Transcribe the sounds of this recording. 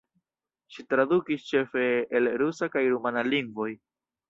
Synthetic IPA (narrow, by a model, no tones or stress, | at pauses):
ʃitɾadukist͡ʃe̞fe̞ːlɾusakajɾumanaliŋɡvo̞j